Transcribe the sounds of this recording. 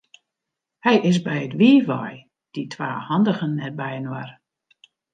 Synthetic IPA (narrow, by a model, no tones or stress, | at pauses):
hɛjɪs̬bɛjətʋiːʋɔ̰j | d̥itʰʋaːhɑndəɣənːɛr̚bɛjənwa̰r